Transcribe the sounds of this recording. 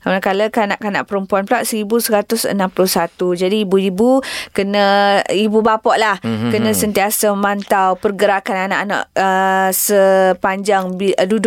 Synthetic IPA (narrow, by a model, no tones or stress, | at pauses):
kamnakaləkanaʔkana̰ʔpəɾəmpuanpəlaʔsəɾibusəɾat̪ʊsə̰nãmpluhsat̪ud͡ʒadiːbuibukənə̃ibubapɔʔlahkənə̃sənt̪iasaməmãnt̪awpərɡəɾakanana̰ʔana̰ʔəsəpaɲd͡ʒaŋbidudʊʔ